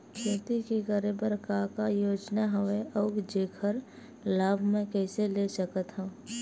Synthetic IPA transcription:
kʰət̪ikekəɾebəɾkakajoːd͡ʒnaɦɐʋeʔɐʊkd͡ʒeːkʰəɾ | laːbʱmẽkɛːselesəkət̪ɦã

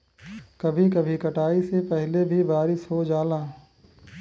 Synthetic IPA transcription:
kɐbʱikɐbʱikɐʈaːisepɛɦlebʱibaːɾɪsɦod͡ʒaːlaː

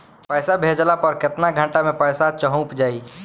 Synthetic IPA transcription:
pəɪsabʱed͡ʒlapəɾkɪt̪naɡʱəɳʈamepəɪsat͡ʃəɦũpd͡ʒaːi

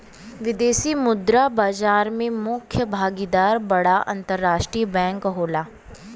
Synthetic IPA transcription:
ʋɪd̪eːsimʊd̪ɾabaːd͡ʒaːɾmẽmʊkʰjəbʱaːɡid̪aːɾbɐɽaʔɐ̰̃nt̪əɾːaːʃʈɾiːəbɛ̃ːŋkɦoːlaː

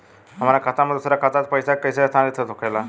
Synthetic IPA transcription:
am̤aɾakʰat̪aməd̪ʱːsəɾakʰat̪at̪pəjsakəjsast̪ʰanet̪ʰət̪okajla

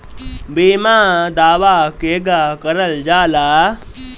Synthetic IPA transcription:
biːmãːd̪aːʋaːkeːɡaːkɐɾəld͡ʒaːlaː

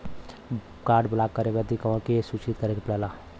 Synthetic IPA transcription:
kaːɾɖbəlaːkːəɾebɛd̪ikəʋəkesuːt͡ʃit̪̚kəɾekepɽɛːla

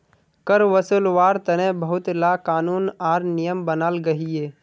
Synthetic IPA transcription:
kəɾʋəsulʋaːɾt̪əɾẽbəɦʊt̪laːkaːnuːnaːɾnijəmbənaːlɡɐɦieː

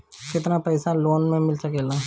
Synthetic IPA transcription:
kɪt̪napɛːsaloːnmẽmɪlsəkeːlaː

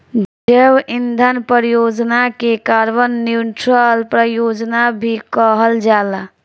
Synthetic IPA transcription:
d͡ʒebind̪ʱənpəɾjod͡ʒnakekaɾbənːiʈɾəlpɾəjod͡ʒnabʱikəɦəld͡ʒala

